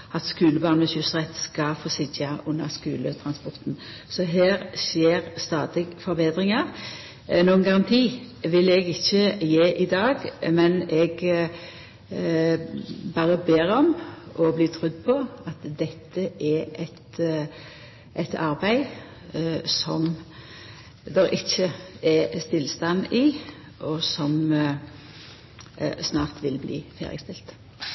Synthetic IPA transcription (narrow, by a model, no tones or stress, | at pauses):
ɑt̪skʉːləbɑːʁnəçʉsʁɛt̪skɑfosɪdɑʊnːəʁskʉ̰ːlət̪ʰɾɑnspɔɾt̪n | sɔɦeːɾsjeːɾst̪ɑːd̪ɪɡfɔɾbeːd̪ɾɪŋɑʁ | nuːənɡɑʁɑnt̪ʰiː | ʋɪlɛɡɪçːəjeːʔɪd̪ɑːɡmɛnɛɡ | bɑːɾəbeːɾɔmʔɔbliːt̪ʰɾʉd̪ːpʰɔɑt̪d̪ɛt̪ʰːəɛʔɛt̪ | ʔɛt̪ɑɾbæɪ | sɔm | d̪ɛɾʔɪçːəɛst̪ɪlst̪ɑnɪ | ʔɔsɔm | snɑːʁt̪ʋɪlblḭːfḛːʁɪ̰st̪ɪlt̪